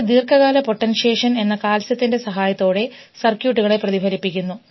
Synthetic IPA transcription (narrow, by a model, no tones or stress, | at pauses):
d̪iːrkʰɐɣaːlɐpo̞ʈːɐnɕe̞ːʂɐne̞nːɐkaːlsɐt̪ːinde̞sɐɦaːjɐt̪ːo̞ːɽe̞ | sɐrkjuːʈːuɣɐɭe̞prɐðibʱɐɾipːikʲːunːu